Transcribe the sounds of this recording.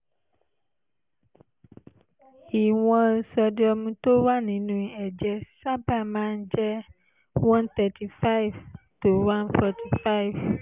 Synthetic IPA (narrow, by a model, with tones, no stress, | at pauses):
hi˨w̃ɔ̃˨n̩˨sɔ˨ɖe˦ɔ˨mũ˨t̪o˦wa˦nĩ˨nũ˨i˨ɛ˨d͡ʒɛ˦sa˦ba˨mã˦n˦d͡ʒɛ˦ | wã˦nt̪ɛ˨tʰi˨fa˦i˨v | to˨wã˦nfɔ˦tʰi˨fa˦i˨v